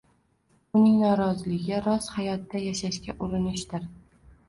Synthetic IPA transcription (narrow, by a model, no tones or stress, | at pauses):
ʊnɪŋnɒɾɒzɪlɪɡʲɪɾɒshajɒt̪ːajaʃaʃkʲaʔʊɾɪnɪʃt̪ɪɾ